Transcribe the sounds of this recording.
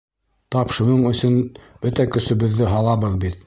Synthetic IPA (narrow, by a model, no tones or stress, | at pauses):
t̪ɑpʃɤ̆nɤɴɵ̆sɵnb̥ɵt̪ækɵ̆sɵ̆βɘ̆ðːɘɦɑlˠɑβɤðbit̪̚